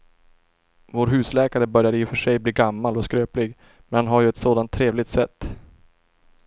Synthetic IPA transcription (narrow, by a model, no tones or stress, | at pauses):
voːɾɦʉ̟ːslɛːkaɾəbœɾjad̪əjɪfœʂɛjbliːɡamːalɔskɾøːplɪɡ | mɛnhanɦaɾjɵɛt̪soːd̪ant̪ʰːɾeːvlɪɡ̚t̪sɛt̪ː